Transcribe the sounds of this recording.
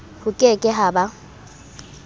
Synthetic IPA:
hʊkʼekʼɪɦaba

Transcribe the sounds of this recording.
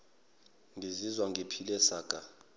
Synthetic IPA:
ŋʱizizwaŋʱepʰilɛsaːkʼa

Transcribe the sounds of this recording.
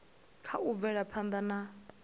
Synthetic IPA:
kʰaub̪vɛɺapʰand̪ana

